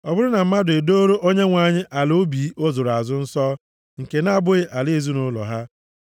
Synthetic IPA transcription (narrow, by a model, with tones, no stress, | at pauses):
ɔ˨bʊ˦ɾʊ˦na˨m̩˦ma˦dʊ˨e˨do˦ɾo˦ʔo˦ɲe˦ŋʷa˨ɲɪ˦ʔa˨lo˦bi˨˦o˦zo˨ɾa˨zʊ˦n̩˦sɔː˦ | ŋ̩˨ke˨na˦˨bʊ˦ɪ˦ʔa˨le˦e˨zu˦nʊ˦lɔ̰˨ɦa˦